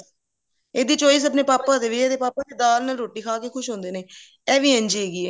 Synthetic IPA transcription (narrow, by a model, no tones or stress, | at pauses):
eːd̪iːt͡ʃoːiːsəp̬neːpaːpaːd̪eːʋiɛːt̪eːpaːpaːd̪eːd̪aːlnaːlɾoːʈiːkʰaːkeːkʰʊʃɦõːnd̪eːneː | ɛːʋiːɦə̃nd͡ʒiːɦeːɡiːɛː